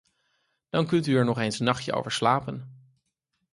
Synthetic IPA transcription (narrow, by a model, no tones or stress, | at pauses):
d̥ɑnkɵntyɛɹnɔχejnsnɑχjə̰o̰wvəɹslaːpən